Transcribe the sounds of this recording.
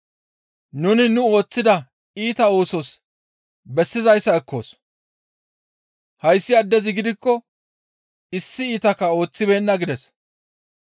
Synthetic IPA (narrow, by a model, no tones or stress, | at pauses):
nʊnɪnʊo̞ːt͡sːɪd̪ɐ | iːt̪ɐo̞ːsɔs | bɛsːɪzɐjsːɐɛkːo̞̰ːs | hɐjsːɪɐd̪ːɛzɪɡɪd̪ɪkːɔ | ɪsːɪiːt̪ɐkːɐo̞ːt͡sːɪbe̞ːnːɐɡɪd̪ɛs